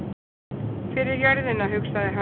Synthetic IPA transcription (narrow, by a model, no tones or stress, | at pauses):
fɪɾɪɾjaɾðɪnaɦʏksaðɪɦa